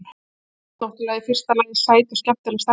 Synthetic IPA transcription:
t̪ɔwht̪ʏlajðɪfɪr̥st̪alanːɪ̥saːjt̪ascah̚t̪alɪst̪a

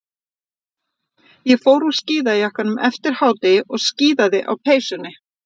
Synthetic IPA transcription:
jɛfoːwɾu̥sciːðaðjahkanːʏmʔɛft̪ɪɾ̥haːwt̪ɪɔɣsciːðaðɪʔa̰wpʰeːjsʏnːɪ

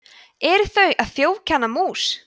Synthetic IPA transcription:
ɛɾθœɥʔaðθjoːwcʰanːamuːs

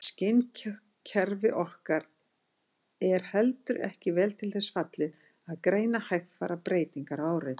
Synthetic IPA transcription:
scɪn | cʰɛɾvɪʔɔhkaɾ | ɛɾ̥hɛlt̪ʏɾɛ̰hcɪvɛːlt̪ʰɪlθɛsfat̪lɪð | aðkɾeːjnahajffa̰ːɾapɾeːjt̪iŋkaɾaːwɾɪt̪

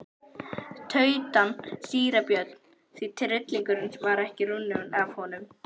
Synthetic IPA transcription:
t̪ʰœːɥt̪ansiːɾapjœt̪n̥ | θit̪ʰɾɪt̪liŋkʏɾɪnsvaɾɛhcɪrunːʏnav̥hɔnʏm

